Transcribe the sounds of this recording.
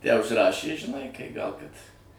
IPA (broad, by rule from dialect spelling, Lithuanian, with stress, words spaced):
ˈjæː ʊʃʲsʲɪˈrɑːʃʲeː ʒʲɪˈnɐɪ kɐɪ ˈɡɐlˠ ˈkɐt